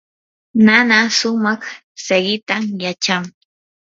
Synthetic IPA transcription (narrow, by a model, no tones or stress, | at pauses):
nanasʊmɑχ | seɢɪt̪amjat͡ʃaŋ